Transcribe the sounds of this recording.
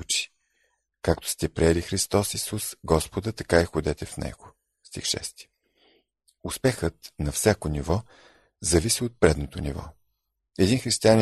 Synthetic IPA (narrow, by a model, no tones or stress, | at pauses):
ut͡ʃi̥ | kakt̪o̥st̪ɛpɾiɛlixɾist̪ɔsisusɡɔspod̪ət̪ɐkaɛxod̪ɛt̪ɛfnɛ̰ɡ̥o | st̪ḭxʃɛ̰st̪i̥ | ʊspɛxət̪nɐfsʲjakonivɔ | zɐvisiot̪̚pɾɛd̪not̪onḭvɔ̰ | ɛd̪inxɾist̪ianʲi